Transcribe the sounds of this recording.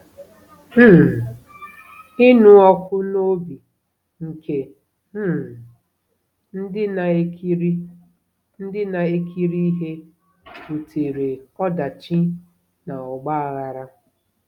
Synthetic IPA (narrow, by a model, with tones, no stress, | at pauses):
m̩˦˨ | ɪ˦nu˦ɔ˦kʷʊ˦no˦bi˨ | ŋ̩˨kʰe˦ | m̩˦˨ | n̩˦dɪ˦na˨e˦ki˦ɾi˦ | n̩˦dɪ˦na˨e˦kʰi˦ɾi˦i˦ɦe˦ | u˨tʰe˨ɾe˨ɔ˦da˨t͡ʃi˦ | na˨ɔ˨ɡ͡ba˦a˨ɣa˨ɾa˦